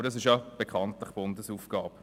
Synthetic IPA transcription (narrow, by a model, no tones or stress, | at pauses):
əɾdɑs̬ɪʃjɑb̥ekχɑntlɪχb̥ʊndəsuːfɡ̥ɑːp